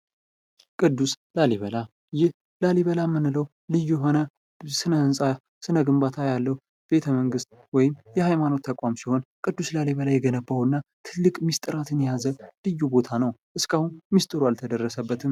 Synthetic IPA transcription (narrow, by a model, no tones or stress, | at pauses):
kʼɨd̪ːuslaliβəla | jɪh | laliβəlamːɨnːɨləw | lɨjːujɛɦo̞nə | sɨnəhɨnsʼa | sɨnəɡɨmbat̪ʰajalːəhu | be̞t̪ʰəməŋɡɨst̪̚ | wɔjɪmjɛhajmano̞t̪ʰːəkʼwamsiho̞nkʼɨd̪ːuslaliβəlajɛɡənəbːawɨnːat̪ʰɨlːɨkʼmist̪ʼɨɾat̪ʰɨnjazəlɨjːubo̞t̪ʰanəwʔɨskʰahunmist̪ʼɨɾualt̪ʰəd̪ərːəsəbːət̪ʰɨm